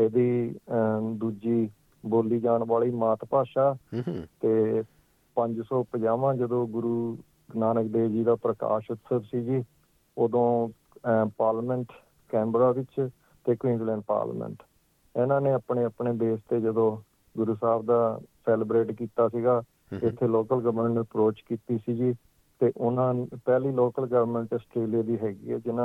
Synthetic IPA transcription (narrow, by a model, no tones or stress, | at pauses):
eːd̪iː | d̪uːd͡ʒiː | boːliːd͡ʒaːɳbaːɭiːmaːt̪paːʃaːt̪eː | pəɲd͡ʒsɔːpəd͡ʒaːʋãːd͡ʒəd̪õːɡʊɾuː | ɡnaːnəkd̪eːd͡ʒiːd̪aːpɾəka̰ːʃət̪səbsiːd͡ʒiː | oːd̪õː | paːɾlmɛɳʈ | kɛ̃ːmbɾaːbɪt͡ʃ | t̪eːkwĩːnd͡ʒlɛ̃ːɳɖ̚pa̰ːɾl̰mə̰̃ɳʈ | ɪnãːneːəpɳeːəpɳeːd̪eːst̪eːd͡ʒəd̪õː | ɡʊɾuːsaːbd̪aːseːləbɾeːʈkiːt̪aːsiɡaː | ɪt̪ʰːeːloːkəlɡəʋɾmə̃ɳʈəpɾoːt͡ʃkiːt̪iːsiːd͡ʒiː | t̪eːʔʊnãːnpɛːliːloːkəlɡəʋəɾmə̃ɳʈəsʈɾeːlijaːd̪iːɦɛːɡḭːɛ̰ːd͡ʒɪnã